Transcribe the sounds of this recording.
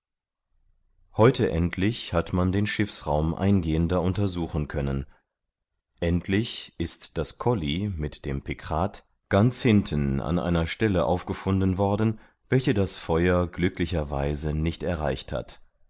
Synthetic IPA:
hɔʏtʰəʔɛntʰlɪçhatmandeːnʃɪfsʁaʊmʔa̰ɪnɡeːəndɐʊntɐzuːxn̩kʰœnən | ʔɛntʰlɪçʔɪstd̥askʰɔlimɪtd̥eːmpʰɪkʁ̥aːt | ɡ̥ant͡shɪntʰən̩a̰nʔa̰ɪnɐʃtɛləʔa̰ʊfɡ̥əfʊndn̩vɔɐdn̩ | vɛlçədasfɔʏɐɡlʏklɪçɐvaɪzənɪçtɛɐʁaɪçtha̰t

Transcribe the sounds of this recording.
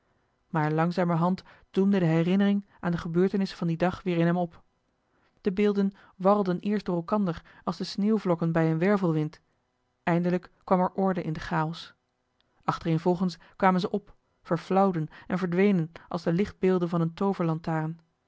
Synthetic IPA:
maːɹlɑŋzaːməɦɑnt | d̥umdədəɦɛrɪnərɪŋʔaːndəχəbøːɹtənɪsəvɑndidɑχʋɪːɹɪnɦɛmɔp | d̥əbɪːlˠdən | ʋɑrəlˠdənɪːɹsd̥ʊːrɛlˠkɑndəɹɑlˠzdəsneːwvlɔkənbɛjənʋɛɹvəlˠʋɪnt | ɛjndələkːʋɑmɛɹʔɔɹdəʔɪndəχaːɔs | ʔɑχtərenvɔlˠχəns | kʋaːmənzəʔɔp | fəɹflʌwdənɛnvəɹdʋejnənʔɑlˠzdəlɪχd̚bɪːlˠdənvɑnəntowvəɹlɑntaːrən

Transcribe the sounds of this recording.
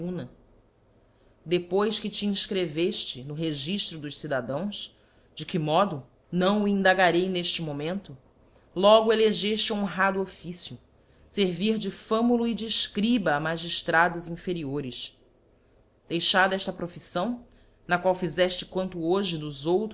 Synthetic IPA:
ũnɐ | d̪epojskɪt͡ʃiĩʃkɾeveʃt͡ʃɪnʊɦeʒiʃt̪ɾʊd̪ʊʃsid̪ad̪ɐ̃w̃s | d͡ʒɪkɪmɔd̪ʊ | nɐ̃w̃uĩnd̪aɡaɾejneʃt͡ʃɪmõmẽnt̪ʊ | lɔɡʊeleʒeʃt͡ʃɪũɦad̪ʊofisjʊ | seɾviɾd͡ʒɪfɐ̃mulʊid͡ʒiʃkɾibɐːmaʒiʃt̪ɾad̪ʊzĩfeɾioɾɪʃ | d̪̥ejʃaɾd̪ɛʃt̪ɐpɾofisɐ̃w̃ | nɐkwawfizɛʃt͡ʃɪ̥kwɐ̃nt̪ʊoʒɪnʊzowt̪

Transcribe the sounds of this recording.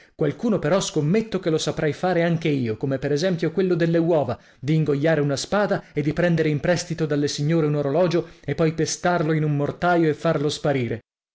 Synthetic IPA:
kwalkuːnopeɾɔskomːet̪ːokelosapɾɛjfaːɾeaŋkeiːokomepeɾɛzɛmpjokwelːod̪elːewɔːva | d̪iːŋɡojːaːɾeunaspaːd̪aed̪ːipɾɛnd̪eɾeimpɾɛst̪it̪od̪alːesiɲːoːɾeunoɾolɔːd͡ʒoepːɔjpest̪arloinumːort̪aːjoefːarlospaɾiːɾe

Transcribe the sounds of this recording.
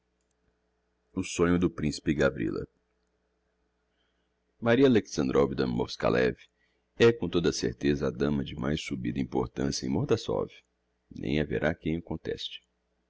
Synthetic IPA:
ʊsõɲʊd̪ʊpɾĩsi̥pɪɡavɾḭlɐ̰ | maɾiɐaleksɐ̃nd̪ɾʔɔvid̪ɐmoɾska̰lɛ̰vi | ɛkõt̪od̪ɐsḛɾt̪ezɐad̪ɐ̃mɐd͡ʒɪmajsubid̪ɐĩpo̰ɾt̪ɐ̃sijɐẽj̃moɾd̪asɔ̰vi | nḛ̃j̃avḛɾʔakẽj̃akõnt̪ɛ̰st͡ʃɪ̥

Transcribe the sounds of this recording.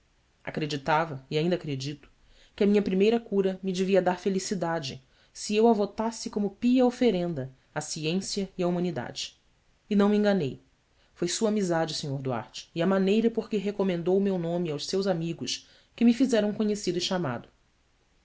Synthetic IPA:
a̰kɾed͡ʒit̪avɐiaĩnd̪ɐakɾed͡ʒit̪ʊ̥ | kɪɐmĩɲɐpɾimejɾɐkuɾɐmid͡ʒeviɐd̪aɾfelisid̪ad͡ʒɪ | siewavot̪asɪkõmʊpiɐofeɾẽnd̪ɐ | asiẽsjɐiɐumɐ̃nid̪a̰d͡ʒɪ̥ː | nɐ̃w̃mĩŋɡanej | fojsuɐaːmizad͡ʒɪseɲoɾd̪ua̰ɾt͡ʃɪ̥ːɐmanejɾɐpoχkɪɦekomẽnd̪owmewnõmiawʃsewzamiɡʊʃ | kɪmifizɛɾɐ̃w̃kõɲesid̪ʊiʃama̰d̪ʊ

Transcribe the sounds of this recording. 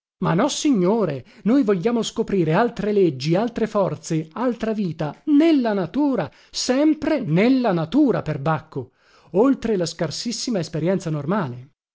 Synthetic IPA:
manːɔsiɲːoːɾenojvoʎːaːmoskopɾiːɾealt̪ɾeled͡ʒːialt̪ɾefɔrt̪sealt̪ɾaviːt̪anelːanat̪uːɾa | sɛmpɾenelːanat̪uːɾaperbakʰːo | olt̪ɾelaskarsisːimaespeɾjɛnt̪sanormaːle

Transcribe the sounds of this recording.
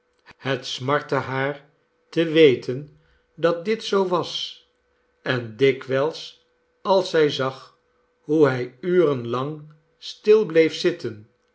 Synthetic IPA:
hətsmɑɹtəɦaːɹ | təʋejtʰən | dɑt̚dɪtsowʋɑs | ɛndɪkʋɛlˠs | ɑlˠsɛjzɑχ | ɦuɦɛjyːrənlɑŋ | stɪlˠblejfsɪtʰən

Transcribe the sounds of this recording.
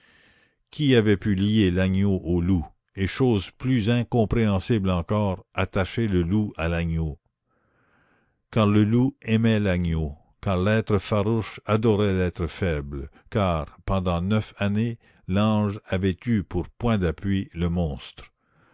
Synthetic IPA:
kʰʲiavɛpylijelaɲoʔolu | eʃoːzplyzɛ̃kɔ̃pʁeɑ̃siblɑ̃kɔːʁat̪aʃeləlualaɲo | kãʁləluɛmɛlaɲo | kaʁlɛːt̪ʁəfaʁuʃad̪ɔʁɛlɛːt̪ʁəfɛbl | kaːʁpɑ̃d̪ɑ̃nœfane | lɑ̃ːʒavɛt̪ypuʁpwɛ̃d̪apɥiləmɔ̃ːst̪ʁ

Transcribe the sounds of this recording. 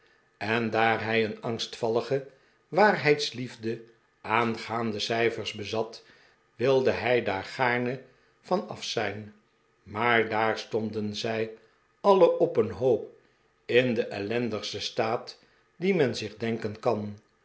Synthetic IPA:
ɛndaːɹɦɛjənɑŋstfɑlˠəχə | ʋaːrɦɛjtslivdə | ʔaːnχaːndəsɛjfəɹzbəzɑt | ʋɪlˠdəɦɛjdaːɹχaːɹnə | vɑnɑ̰fsɛjn | maːɹdaːɹstɔndənzɛj | ɑləʔɔpənɦoːp | ɪndəʔɛlɛndəχstəstaːt | dimɛnzɪχdɛŋkənkɑn

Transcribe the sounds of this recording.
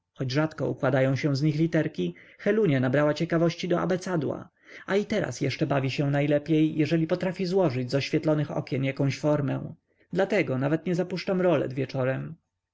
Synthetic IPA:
xɔd͡ʑʐat̪kɔ̰ṵkwad̪ajɔ̃w̃ɕɛ̃w̃zɲixlʲit̪ɛɾkʲixɛluɲanabɾawat͡ɕɛkavɔɕt͡ɕid̪ɔa̰bɛt̪sad̪wa̰ | ait̪ɛɾa̰sjɛʂt͡ʂɛbavʲiɕɛ̃najlɛpʲjejːɛʐɛlʲipɔt̪ɾafʲizwɔʐɘd͡ʑzɔɕfʲjɛt̪lɔnɘxɔ̰kʲjɛnjakɔ̃ɕfɔɾmɛ̰w̃ | d̪lat̪ɛɡɔnavɛt̪ɲɛzapuʂt͡ʂamɾɔlɛ̰d̪vʲjɛt͡ʂɔɾɛm

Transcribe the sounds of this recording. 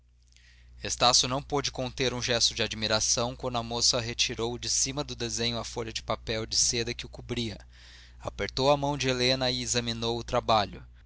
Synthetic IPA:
est̪asjʊnɐ̃w̃pod͡ʒɪkõnt̪eɾũʒɛst̪ʊd͡ʒɪad͡ʒimiɾasɐ̃w̃kwɐ̃nd̪ʊɐmosɐɦet͡ʃiɾowd͡ʒɪsimɐd̪ʊd̪ezẽɲʊɐfoʎɐd͡ʒɪpapɛwd͡ʒɪsed̪ɐkɪʊkubɾiɐ | apeɾt̪owɐmɐ̃w̃d͡ʒɪelenɐɪezɐminowʊt̪ɾabaʎʊ

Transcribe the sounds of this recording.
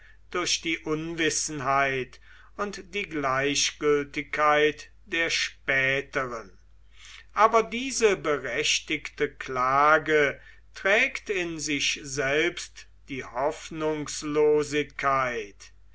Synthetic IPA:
d̥ʊɐʃd̥iːʔʊnvɪsn̩ɦaɪt | ʊntd̥iːɡlaɪɕɡ̥ʏltɪkʰːaɪt | d̥eːɐʃpɛːtəʁən | ʔaːbɐdiːzəbəʁɛʃtɪktəklaːɡə | tʁ̥ɛːktɪnzɪçzɛlpst | d̥iːhɔfnʊŋsloːzɪkʰːaɪt

